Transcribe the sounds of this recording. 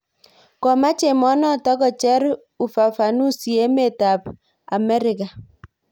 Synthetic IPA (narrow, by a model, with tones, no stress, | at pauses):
kɔ˨ma˦t͡ʃe˨mɔ˦nɔ˦tɔ˦kɔ˨t͡ʃɛ˦ɾ | u˨fa˨fa˨nu˦si˨e˦me˦˨ta˨p | a̰˨mɛ˦ɾɪ˨ka˨